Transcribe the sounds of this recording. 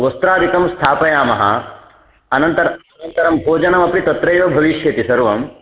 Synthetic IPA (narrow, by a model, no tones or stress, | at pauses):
ʋɐst̪ɾaːd̪ʱikɐmst̪ʰaːpɐjaːmɐɦɐ̰ | ɐnɐnt̪ɐɾɐɐnɐnt̪ɐɾɐmbʱoːd͡ʒɐnɐmɐpɾit̪ɐt̪ɾɐjʋɐbʱɐʋiʃjɐt̪isɐɾʋɐm